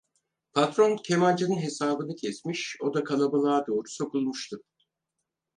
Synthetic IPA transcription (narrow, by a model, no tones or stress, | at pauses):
pʰat̪ɾoncʰe̞mand͡ʒɯnɯnɦe̞saːbɯnɯcʰɛsmiʃo̞d̪akʰalˠabalˠaːd̪o̞ːɾu̥so̞kʰulˠmuʃt̪ʰɯ